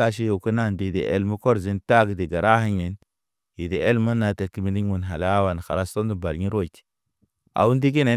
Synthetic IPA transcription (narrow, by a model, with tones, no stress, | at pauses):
a˦ʃ̬i˦jo˨kə˦na˦˨ndi˨di˨ʔḛ˨lmə˦ko˦ɾzi˦nta˦ɡi˨di˨ɡa˨ɾa˦hi˦ɲe˨n | ji˨de˨e˦lmə˦na˨te˨kːi˦mi˨ni˦wu˨nɦa˨la˦wa˨n˨xa̰˨ɾa˦sto˦ndi˨ba˨lɲi˦ɾo˦˨ti̥˨ | a̰˨wu˦ndi˦ɡ̬i˦ne˨˦